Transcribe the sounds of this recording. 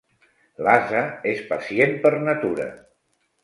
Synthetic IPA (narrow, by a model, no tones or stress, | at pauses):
lazəespəsienpəɾnət̪uɾə̰